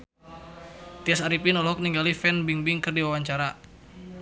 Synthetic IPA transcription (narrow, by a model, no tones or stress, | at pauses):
t̪iasaɾipinɔlɔk̚niŋɡalifɛnbiŋbiŋkɨrdiwawaɲt͡ʃaɾa